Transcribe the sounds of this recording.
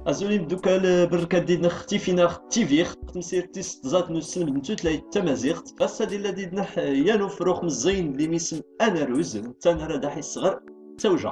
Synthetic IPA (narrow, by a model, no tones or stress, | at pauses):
ʔæzulind̪ukælbərˤːkæd̪d̪id̪nəχt̪ifinæχt̪ːiviχqt̪əmsiɾt̪ːist̪ˤzˤɑt̪nusələmd̪ənt̪ut̪læjt̪ːæmæziqt̪bæsːæd̪ilːæd̪id̪nəħjænufɾuχməzˤːijnlimisəmænæɾuzt̪ːænaɾˤɑd̪aħisːəʁəɾˤt̪ːæwʒæ̰